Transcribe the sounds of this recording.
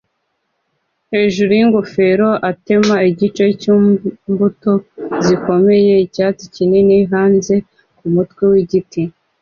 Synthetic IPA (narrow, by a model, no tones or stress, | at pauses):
he̞ːʒuɾujiŋɡofe̞ɾo̞ʔate̞maiɟit͡ʃe̞cumbuto̞ziko̞me̞je̞icaːt͡sicininiɦaːnze̞ | kumutwewiɟitʰi